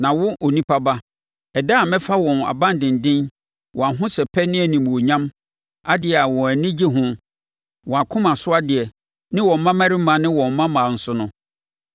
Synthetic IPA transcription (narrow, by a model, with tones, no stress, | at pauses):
nã˨wʊ˦ʔo˨nĩ˦pʰa˦ba˦ | ɛ˨da˦˨mɛ̃˦fa˦wɔ̃˨na̰˨bã˦n˨dɪ̃˨n̩˨dɪ̃˦n | wʔɔ̃˨a˨ɦʊ̃˦sɛ˨pʰɛ˦nɪ̃˦æ˨nĩ˨m˨o˨ɲã˦m | a˦dɪ˨ɛ˨a˨wɔ̃˨æ˨nɪ̃˦d͡ʑi˦ɦʊ̃˦ | wɔ̃˨a˨kʰʊ̃˦mã˨sʊ˦a˦dɪ˨ɛ˨ | nɪ̃˦wɔ̃˨m̩˨mːã˦mã˦ɾi˦mã˨nɪ̃˦wɔ̃˨m̩˨˦mã˦mãː˨n̩˨sʊ˦nʊ̃˦